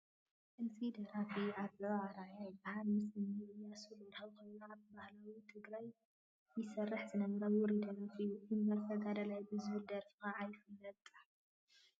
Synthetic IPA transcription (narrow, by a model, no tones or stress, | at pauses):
ʔɨnsid̪ɐɾafiaβɐaɾajajbahalmɨsɨnɨɨjːasuloɾħɐwkojnoaβbahlawit̪ʰɨɡɾaj | jɪsɐrːɐħzɨnɐmɾɐɔɾid̪ɐɾafijuʔimbɐɾfʰɐɡad̪ɐlajbɨzwud̪ɐɾfɨxaʕajfɨlːɐt̪ʼ